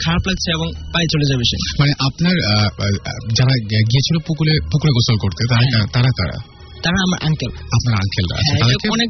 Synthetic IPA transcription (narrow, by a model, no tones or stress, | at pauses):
kʰaɾaplat̪t͡ɕʰeeboŋpajt͡ɕoled͡ʑabeʃḛmaneʔapnaɾ | d͡ʑaɾaɡijet͡ɕʰilopukulepukuɾeɡɔsolkoɾt̪et̪aɾaat̪aɾat̪a̰ɾa̰ | t̪aɾaamaɾʔa̰ŋkʰelapnaɾa̰ŋkʰelɾa̰a̰ead̪ekeɔnek